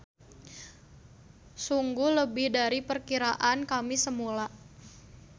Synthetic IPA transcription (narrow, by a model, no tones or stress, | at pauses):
suŋɡuhləbɪhdaɾipərkiɾaʔankamisəmula